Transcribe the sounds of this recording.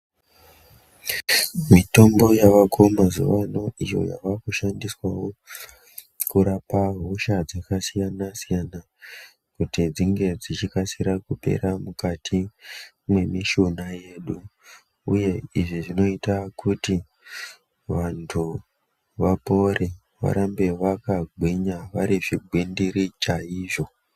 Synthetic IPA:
mito̞mbo̞jaʋakʰomazṵʋano̞ijo̞̰ja̰ʋakuʃandiswawo̞ | kuɾapaɦoʃad͡zakasijanasijana | kutid͡ziŋɡe̞d͡zit͡ʃikasiɾakupe̞̰ɾamukatʰi | mwe̞miʃo̞naje̞ɗu | uje̞iʐiʐino̞itakʰuti | ʋantʰu | ʋapo̞ɾʔe | ʋa̰ɾambe̞ʋakaɡʱwiɲaʋaɾiʐiɡʱwindiɾit͡ʃaiːʐo̞

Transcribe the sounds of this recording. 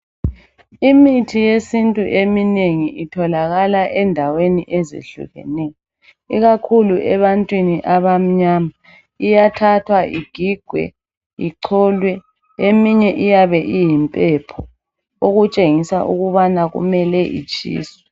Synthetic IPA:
imitʰijesintʼuʔemineŋiitʰɔlaɣalaʔɛndʱaweniʔɛzḛɬṵɣɛ̰nɛjɔ | iɣakʰuluʔɛβantʼwiniʔaβam̩ɲaːma | ijatʰatʰwaʔiɡ̥ʱiɡ̥ʱwɛ̰ | iǀʰɔːlwɛ | emiɲɛʔijaβɛʔijimpʼɛpʰɔ | oɣut͡ʃʼeŋisa̰ʔṵɣuβanaɣṵmɛlɛʔḭt͡ʃʼḭːswwɛ

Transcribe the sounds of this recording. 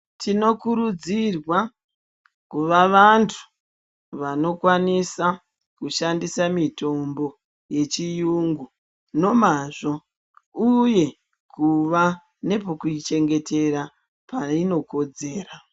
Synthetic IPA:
tʰino̞kuɾud͡zirwa | kuʋaʋantʰu̥ | ʋano̞kwanisa | kuʃandisamito̞mbo̞ | je̞t͡ʃijuŋɡu | no̞maʐo̞ | uje̞ | kuʋa | ne̞po̞kuit͡ʃe̞ŋɡe̞te̞ɾa | paino̞ko̞d͡ze̞ːra

